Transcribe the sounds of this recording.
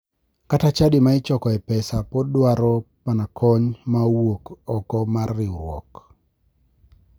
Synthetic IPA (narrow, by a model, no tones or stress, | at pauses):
katat͡ʃadimaɪt͡ʃɔkɔɛpɛsapɔdwaɾɔpanakʰɔɲmawokɔkɔmarːɪuɾwɔ̰k